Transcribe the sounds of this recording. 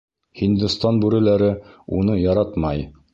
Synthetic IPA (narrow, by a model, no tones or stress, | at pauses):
hind̪ɘ̆st̪ɑnbʉɾɘ̆læɾɘunɤjɑɾɑt̪mɑj